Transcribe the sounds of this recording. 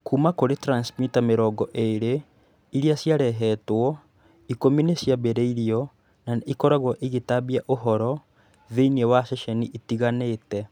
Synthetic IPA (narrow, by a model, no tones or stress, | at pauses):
kumakoɾetɾansmitameɾɔːɡɔʔeːɾe | iɾiasjaɾɛɦɛtwɔ | ikominesjaβɛɾɛiɾiɔ | naikɔɾaɣwɔʔeɣetaβiaʔoɦɔɾɔ | ðeiniewaʃɛʃɛniʔitiɣaneːtɛ